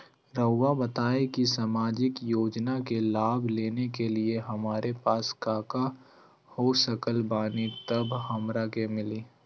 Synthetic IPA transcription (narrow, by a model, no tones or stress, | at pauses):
ɾəʊwabɐt̪aːekisaːmaːd͡ʒɪkjoːd͡ʒnakelaːbʱleːnekelieɦɐmaːɾepaːskaːka | hosəkəlbaːnit̪ɐbʱhɐmɾakemɪliː